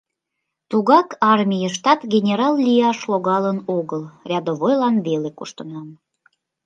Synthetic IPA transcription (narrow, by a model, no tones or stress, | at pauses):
t̪uɣɑkɑrmʲijəʃ̬t̪ɑt̪ɡʲenʲeɾɑllʲijɑʃloɣɑlənoɣəlrʲɑd̪oβojlɑnβelekoʃt̪ənɑm